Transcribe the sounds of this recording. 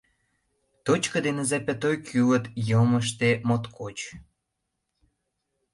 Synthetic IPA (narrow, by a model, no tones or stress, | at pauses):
t̪ot͡ɕkə̆d̪enə̆zæpʲæ̆t̪ojkʰylə̆t̪jɤməʃ̬t̪emot̪kʰot͡ɕ